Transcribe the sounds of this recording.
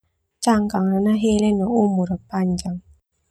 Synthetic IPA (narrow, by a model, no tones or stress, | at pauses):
t͡ʃaŋkaŋɾanaɦelenɔomuɾəpaɲd͡ʒaŋ